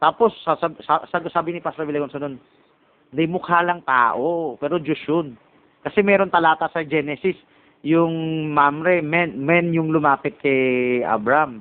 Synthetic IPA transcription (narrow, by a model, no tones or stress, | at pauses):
t̪aːpo̞sasasasaɡsaːbɪnɪpasɾɐbɪlɛɡonsɐnon | d̪ɐjmʊkaːlɐŋt̪a̰ːʔopɛːɾod͡ʒʊʃjon | kɐsɛmɛːɾo̞nt̪ɐlaːt̪ɐsɐd͡ʒɛːnɛsɪs | jʊŋmamɾɛmɛnmɛnjʊŋlʊmaːpɪt̪̚kɛjʔa̰bɾɐam